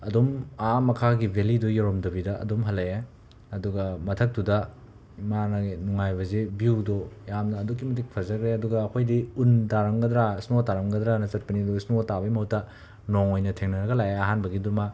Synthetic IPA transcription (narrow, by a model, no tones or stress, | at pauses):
ɐdomamɐkʰaɡibʱelidojoɾomdɐbidɐɐ̰domɦɐlːee | ɐduɡɐmɐtʰɐk̚tudɐ | imanɐnuŋajbɐzebiwdojamnɐːduk̬ːimɐtik̚pʰɐzɐkɾeɐduɡɐːkʰojdiundaɾɐmɡɐdɾaisnotaɾɐmɡɐd̪ɾanɐsɐt̚pɐnidoisnotabɐimɐutːɐ | noŋojnɐtʰeŋnɐɾɐɡɐlajeɐɦanbɐɡiduma